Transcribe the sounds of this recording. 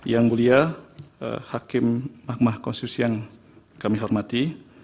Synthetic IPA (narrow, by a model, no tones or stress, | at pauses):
jaŋɡulia̰ | hakɪmːak̚mahkɔnst̪it̪usijaŋ | kamiɦɔrmat̪i